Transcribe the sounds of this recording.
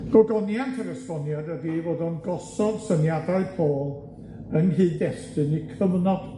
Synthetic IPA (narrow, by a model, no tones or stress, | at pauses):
ɡ̥ɔɡɔnjantʰəɾəsvɔnjadəðivoːdɔnɡɔsɔvsənjadaɨpʰoːlˠ | ənhɨːndɛstɨnikʰəmənɔd̥